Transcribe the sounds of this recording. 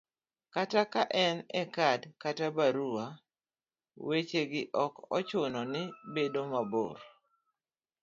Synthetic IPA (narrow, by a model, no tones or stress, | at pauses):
katakaʔɛnɛkadkatabaɾua | wet͡ʃeɡɪʔɔkɔ̰t͡ʃʊnɔnɪbedomabo̰ɾ